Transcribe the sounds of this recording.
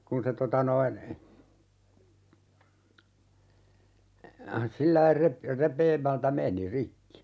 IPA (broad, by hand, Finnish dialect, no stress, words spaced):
kun se totɑ noin silːɑi rep repˑeːmæltæ meni rikːi